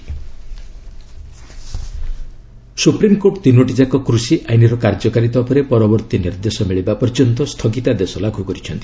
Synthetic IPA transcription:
supɾimkoʈt̪inoʈid͡ʒakɔkɾusiʔajniɾɔkaɾd͡ʒɔkaɾit̪ɔpɔɾepɔɾɔbɔɾt̪iniɾd̪esɔmiɭibapɔɾd͡ʒɔnt̪ɔst̪ʰɔɡit̪ad̪esɔlaɡʱukɔɾit͡ʃʰɔnt̪i̥

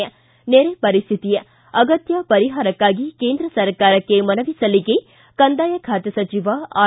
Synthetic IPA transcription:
ɐ | neːɾepɐɾist̪ʰit̪ijɐ | ɐɡɐt̪jɐpɐɾiɦaːɾɐkːaːɡikeːnd̪ɾɐsɐɾkaːɾɐkːemɐnɐʋisɐliɡe | kɐnd̪aːjɐkʰaːt̪jɐsɐt͡ʃiʋɐaː

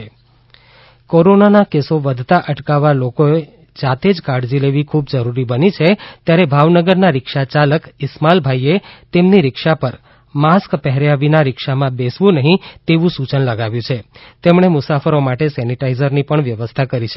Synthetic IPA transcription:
koɾonanakesoʋəd̪ʱt̪aʔəʈkaʋːalokoe | d͡ʒat̪ed͡ʒkaɽd͡ʒileʋikʰubd͡ʒəɾuɾibənit͡ʃʰet̪jaɾebʱaʋnəɡəɾnaɾɪkʃat͡ʃaləkɪsmalbʱaiet̪emniɾɪkʃapəɾ | maskpɛɦɾjaʋinaɾɪkʃamãbesʋũnəɦĩt̪eʋũsut͡ʃənləɡaʋjũt͡ʃʰet̪emɳ̃emʊsafəɾomaʈesɛniʈaizəɾnipəɳʋjəʋəst̪ʰakəɾit͡ʃʰe

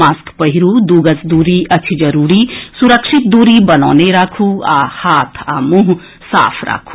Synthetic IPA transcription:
aːskpəɦiɾud̪uːɡəsd̪uːɾiʔɐt͡ʃʰid͡ʒəɾuːɾisuɾəkʃɪt̪̚d̪uːɾibəna̰ːneɾaːkʰua̰haːt̪ʰa̰ːmuɦ | sa̰ːpʰɾa̰ːkʰu̥

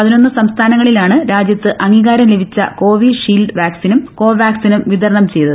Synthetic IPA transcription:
pɐðino̞nːɨsɐmst̪ʰaːnɐŋːɐɭilaːɳɨɾaːd͡ʑjɐt̪ːɨʔɐŋɡiːɣaːɾɐmle̞bʱit͡ɕːɐ̰ko̞ːʋiʂiːlɖʋaːksinɐmko̞ːʋaːksinɐmʋid̪ɐɾɐɳɐmt͡ɕe̞jt̪ɐð

